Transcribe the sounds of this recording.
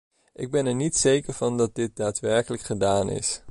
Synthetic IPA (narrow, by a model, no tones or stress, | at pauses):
ʔɪɡ̚bɛnɛɹnitsejkəɹv̥ɑndɑt̚dɪt̚daːtʋɛɹkələkχədaːnɪ̰s